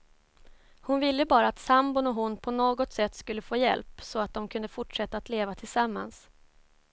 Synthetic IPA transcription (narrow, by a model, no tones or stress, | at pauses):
hʊnvɪlːəbɑːɾaːt̪sambʊnɔɦʊnːpʰɔnoːɡɔt̪sɛt̪ːskɵlːəfoːjɛ̰lpsɔat̪̚d̪ɔmkʰɵnd̪əfʊʈʂɛt̪ːaːt̪leːvat̪ʰɪlsamːa̰ns